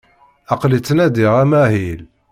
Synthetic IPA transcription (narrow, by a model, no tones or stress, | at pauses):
ɑqlit͡sːnæd̪iʁæmæɦil